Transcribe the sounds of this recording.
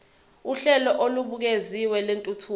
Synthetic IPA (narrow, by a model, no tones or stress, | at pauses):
uɬɛlɔʔoluɓuk̬eziwɛlentʼutʰu